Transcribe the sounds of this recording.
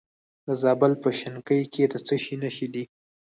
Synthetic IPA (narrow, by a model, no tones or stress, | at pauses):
d̪əzɑbəlpəʃɪnkəjkʰed̪ət͡səʃinaʃid̪i